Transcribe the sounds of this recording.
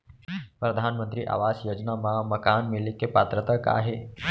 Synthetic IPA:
pɾəd̪ʱanmənt̪ɾiːʔa̰ʋasjoːd͡ʒnamaməkanmilikepat̪ɾət̪əka̰ɦe

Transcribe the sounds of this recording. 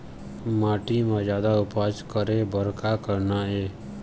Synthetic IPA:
maːʈimãd͡ʒjaːd̪aʊpaːd͡ʒkəɾeːbəɾkakəɾnaeː

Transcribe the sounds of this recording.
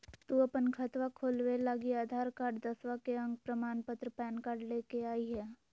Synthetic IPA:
t̪uɐpənkʰɐt̪ʋakʰoːlwelaɡiaːd̪ʱaːɾkaːɾɖd̪əswakeə̃ŋɡ̚pɾəmaːnpət̪ɾəpɛːnkaːɾɖleːkeaːiɦɛː

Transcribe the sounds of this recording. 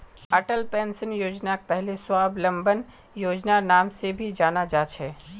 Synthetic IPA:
ɐʈəlpẽːnsənjoːd͡ʒnak̚pɛɦleswaːblɐ̃mbən | joːd͡ʒnanaːmsebʱid͡ʒaːnad͡ʒaːt͡ʃʰɛː

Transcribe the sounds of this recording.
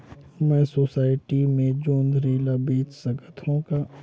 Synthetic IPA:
mɛ̃soːsaːɪʈimẽd͡ʒoːnd̪ʱɾeːlabeːt͡ʃsəɡət̪ʰõka

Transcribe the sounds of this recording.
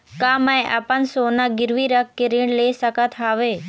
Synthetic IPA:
kaːmə̃ẽʔɐpənsoːnaɡɪɾʋiɾɐk̚ʰkɪɾiːɽ̃leːsɐkət̪ʰaːʋeː

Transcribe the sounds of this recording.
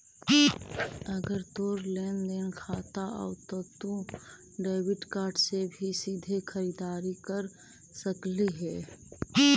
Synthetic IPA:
əɡəɾt̪oːɾleːnd̪eːnkʰaːt̪aʔɔ̰ːt̪ot̪ũ | ɖeːɪwɪʈkaːɾɖsebʱisiːd̪ʱekʰəɾiːd̪aːɾikəɾ | səkleɦɛː

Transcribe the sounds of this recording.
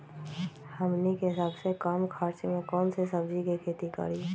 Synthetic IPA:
hɐmnikeɦɪsaːbsekaːmkʰaːɾt͡ʃmẽkɔːnsesɐbd͡ʒikikʰeːt̪ika̰ɾi

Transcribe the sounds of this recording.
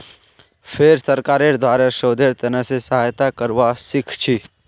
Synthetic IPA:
pʰeɾsəɾkaːɾeɾd̪ʱwaːɾaʃoːd̪eɾt̪ɐnəsesɐɦaːjt̪akəɾʋasɪkʰt͡ʃʰi

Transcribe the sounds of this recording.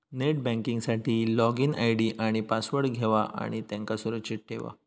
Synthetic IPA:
neʈ̚bɛ̃ŋkiŋɡsaʈʰiːlɔɡina̰jɽiːʔaɽ̃ipasʋəɾɡʱeʋaʔa̰ɽ̃it̪jãŋkasuɾəkːɕiʈ̚ʈʰeʋa̰

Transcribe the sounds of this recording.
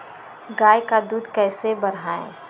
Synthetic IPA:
ɡaːjkad̪uːd̪kɛːsebɐɾaːḛ̃ː

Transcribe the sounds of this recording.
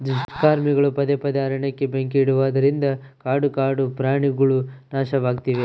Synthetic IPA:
d̪uʂʈkaːɾmiɡɐɭupɐd̪epɐd̪aːɾɐɳɐkːe̞beŋkiːɽuʋaːd̪ɐɾind̪ɐkaːɽukaːɖupɾaːɳiɡɐɭunaːʃɐʋaːɡt̪iʋe

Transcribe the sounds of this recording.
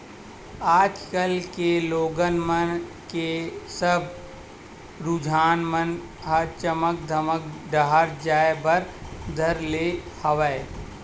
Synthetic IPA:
aːd͡ʒkəlkeloːɡənmən | kesəb | ɾud͡ʒʱaːnmən | ɦɐt͡ʃəmək̚d̪ʱəməkd̪əɦaɾd͡ʒaːebəɾd̪ʱəɾlehəʋəe

